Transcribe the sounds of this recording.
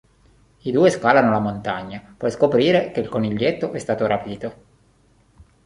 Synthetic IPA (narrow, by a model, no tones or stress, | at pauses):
id̪uːeskaːlanolamont̪aɲːapwɔjskopɾiːɾekeilkoniʎːet̪ːoʔɛst̪aːt̪oɾapiːt̪o